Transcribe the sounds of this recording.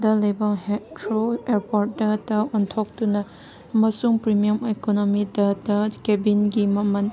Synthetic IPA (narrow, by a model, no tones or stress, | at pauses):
dɐlɐjbɐmhetɾoeɾpoɾʈ̚dɐdɐɔntʰok̚dunɐ | mɐsuŋpɾimijɐmekonomidɐdɐkebinɡimɐmɐn